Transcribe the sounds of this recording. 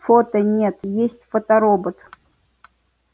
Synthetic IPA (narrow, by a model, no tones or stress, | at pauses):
fot̪ənʲet̪jesʲtʲfət̪ɐɾobət̪